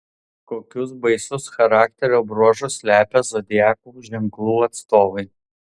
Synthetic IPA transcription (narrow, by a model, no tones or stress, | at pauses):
koːkʲʊsbɐɪsʊsxɐɾɑːk̚ʲt̪ʲɛɾʲoːbɾuɔʒʊsʲlʲæːpʲɛzɔd̪ʲɪjæːkuːʒʲɛŋklˠuːɐt̪st̪oːʋɐɪ